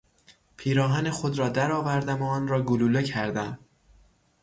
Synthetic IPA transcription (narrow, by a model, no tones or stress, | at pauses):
pʰiːɾɒːɦæne̞xod̪ɾɒːd̪æɾɒːvæɾd̪æmoɒːnrɒːɡoluːle̞cʰæɾd̪æm